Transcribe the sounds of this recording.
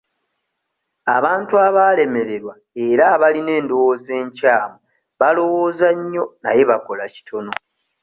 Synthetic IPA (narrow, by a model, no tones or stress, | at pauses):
aβaːntuaβale̞me̞ɾe̞ɾwa | e̞ɾaβaline̞ːndo̞woːze̞ːɲcaːmo | βalo̞wo̞ːzaɲːo̞naje̞βako̞laci̥tʰo̞no̞